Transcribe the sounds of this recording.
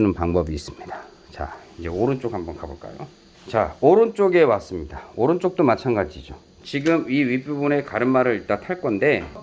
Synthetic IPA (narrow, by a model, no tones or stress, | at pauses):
nɯnpaŋbʌbiːs͈ɯmɲid̥a | t͡ɕa̰ind͡ʑe̞oɾɯnt͡ɕ͈okhambʌnkaboɭk͈a̰jo̰ | t͡ɕa̰oɾɯnt͡ɕ͈oɡe̞was͈ɯmɲidaoɾɯnt͡ɕ͈ok̚t͈omat͡ɕʰanɡad͡ʑid͡ʑo | t͡ɕiɡɯmiɥip͈ubune̞kaɾɯnmaɾɯɭt͈atʰaɭk͈ʌnde̞